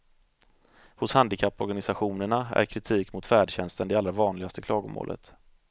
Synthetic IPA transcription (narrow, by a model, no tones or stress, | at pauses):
hʊshand̪ɪkʰapːɔɾɡanɪsaɧuːnəɳaæ̰ɾkʰɾɪt̪ʰiːkmʊt̪fæːɖɕɛnst̪ənd̪ɛalɾavɑːnlɪɡast̪əkʰlɑːɡʊ̰mo̰ːlə̰t̪